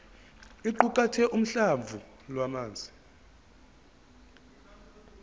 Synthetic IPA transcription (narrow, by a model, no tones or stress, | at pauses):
iǃukʼatʰɛʔum̩ɬavʱu | lwamaːnd͡zʱi